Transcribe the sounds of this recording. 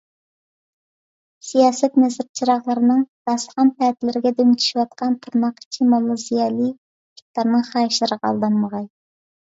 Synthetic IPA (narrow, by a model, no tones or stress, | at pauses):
sijɑːsɛt̪nɛzɪɾt͡ʃʰiɾɑχlˠəɾɨnɨŋd̪̥ɑsχɑnpɛt̪ʰɪlɪɾɪɡʲɛd̪eŋt̪ʰy̥ʃiwɑt̪̚qʰɑnt̪ʰuɾnɑqi̥t͡ʃʰimolˠozijɑlˠɨ | kʰi̥k̚ʲt̪ɑɾnɨŋχɑːjʃlɨɾɨqɑ̰lˠd̪ɑnməʁɑj